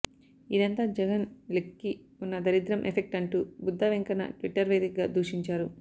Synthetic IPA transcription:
id̪ɐnt̪aːd͡ʒɛɡɐnlikːi | unːɐd̪ɐɾid̪ɾɐmʔepʰek̚ʈɐɳʈuːbud̪ːɐːʋeŋkɐnɐ̰ʈʋiʈːɐɾʋeːd̪ikɡaːd̪uːʂiɲt͡ʃaːɾu

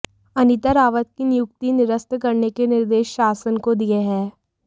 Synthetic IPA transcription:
ɐnɪt̪əɾaːʋət̪̚kinɪjʊk̚t̪inɪɾəst̪kɐɾnekenɪɾd̪eːʃːaːsənkod̪ijeɦɛː

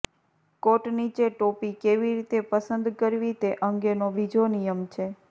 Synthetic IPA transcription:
koʈnit͡ʃeʈopikeʋiɾit̪epəsənd̪kəɾʋit̪eʔəŋɡenoʋid͡ʒʱonijəmt͡ʃʰe

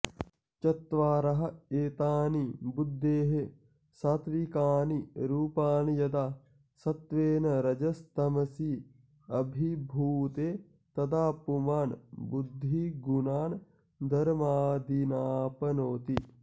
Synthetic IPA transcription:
t͡ʃɐt̪ʋaːɾɐɦɐ̆eːt̪aːnibud̪ʱːeːɦe | saːt̪ʋikaːniɾuːpaːnjɐd̪aː | sɐt̪ʋeːnɐɾɐd͡ʒɐst̪ɐmɐsiː | ɐbʱibʱuːt̪eː | t̪ɐt̪ʰaːpumaːnbud̪ʱːiɡunaːn | d̪ʱɐɾmaːd̪inaːpɐnoːt̪i

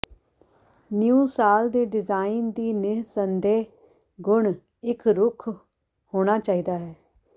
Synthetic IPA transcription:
njuːsaːld̪eːɖɪzaːind̪iːnɪɦsənd̪eːɦ | ɡʊɳ | ɪkɾʊkʰ | hoːɽ̃aːt͡ʃaːiːd̪aːɦɛː

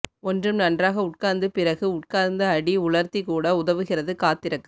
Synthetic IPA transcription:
ɔndrɯmnɐndraːɣɐʊʈ̚kaːɾnd̪ɯpɪrɐɣɯʊʈ̚kaːɾnd̪ɐːɽiʊɭɐɾt̪ikuːɽɐʊðɐʋɯɣɪrɐðɯkaːt̪ːɪɾɐkːɯ

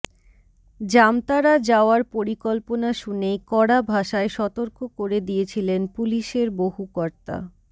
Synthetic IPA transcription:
d͡ʑamt̪aɾad͡ʑaoaɾpoɾikɔlponaʃunejkɔɽabʱaʃaeʃɔt̪oɾkokoɾed̪iet͡ɕʰilenpuliʃeɾboɦukɔɾt̪a̰

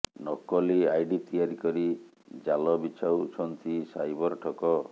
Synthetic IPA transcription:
nɔkɔliajɖit̪ijaɾikɔɾi | d͡ʒalɔbit͡ʃʰawt͡ʃʰɔnt̪ʰisajbɔɾɔʈʰɔkɔ

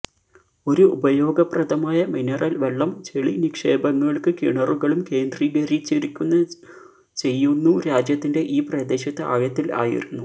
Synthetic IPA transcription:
o̞ɾuubɐjo̞ːɡɐprɐd̪ʱɐmaːjɐminɐrʔɐlʋeɭːɐmt͡ɕeɭinikʂe̞ːbɐŋːɐɭkɨkiɳɐruɣɐɭumke̞ːnd̪riːɡɐrit͡ɕːeɾikʲːunːɐ | t͡ɕe̞jːunːuɾaːd͡ʑjɐt̪ːinde̞ʔiːprɐd̪e̞ːɕɐt̪ːɨʔa̰ːjɐt̪ːila̰ːjḭɾunːu

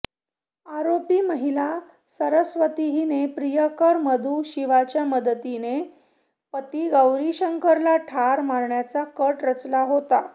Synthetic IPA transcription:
aɾopiːməɦila | səɾəsʋət̪iɦinepɾijəkəɾməd̪ʱuɕiʋat͡ɕjaməd̪t̪ine | pət̪iːɡəwɾiɕəŋkəɾlaʈʰaɾmaɾɳjat͡sakəʈɾət͡slaɦot̪a

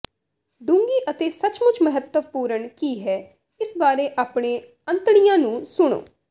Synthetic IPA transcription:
ɖũŋɡiːʔət̪eːsət͡ʃmʊt͡ʃʰməɦət̪ːəʋpuːɾəɳkiːɦɛː | ɪsbaːɾeːʔaːpɽẽː | ə̃nt̪ɽ̃ɪjãːnũːsʊɽ̃o̰ː

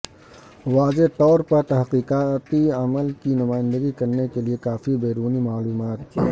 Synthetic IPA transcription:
ʋaːzet̪ɔːɾpɐɾt̪ɐɦqiːqaːt̪iɐməlkinʊmaːɪ̃nd̪əɡikɐɾnekeliekaːfibeːɾuːnimaːluːmaːt̪kʰḭ

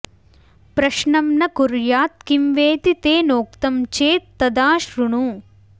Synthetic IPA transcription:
pɾɐʃɳɐmnɐkuɾjaːt̪̚kimʋeːt̪it̪eːnoːk̚t̪ɐmt͡ʃeːt̪ːɐd̪aːʃɾuɳu

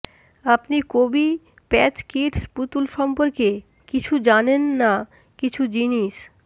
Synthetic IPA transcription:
apnikobi | pɛt͡ɕkiʈsput̪ulʃɔmpoɾke | kit͡ɕʰud͡ʑanenːa | kit͡ɕʰud͡ʑiniʃ

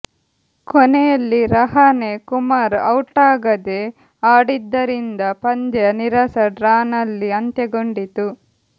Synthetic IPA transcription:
kɔnɛjɐlːiɾɐɦɐne̞kumaːɾɐwʈaːɡɐd̪e | aːɽid̪ːɐɾind̪ɐpɐɲd͡ʒ̪ɐɐniɾɐsɐɖɾaːnɐlːiɐnt̪ɐɡoɳɖit̪u

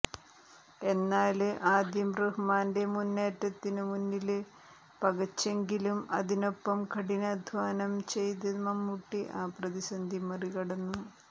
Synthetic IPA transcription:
e̞nːaːlʔaːd̪jɐmrɨhmaːnde̞munːe̞ːtːɐt̪ːinɨmunːil | pɐɣɐt͡ɕːe̞ŋɡilumɐðino̞pːɐmkɐɽinɐd̪ʱʋaːnɐmt͡ɕe̞jt̪̬imɐmːuʈːiʔaːprɐðisɐnd̪ʱimɐriɣɐɽɐnːu

